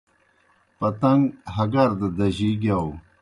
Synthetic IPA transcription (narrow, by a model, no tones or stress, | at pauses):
pɐt̪ɐŋɡɦɐɡɐɾd̪əd̪ɐʑiɡaw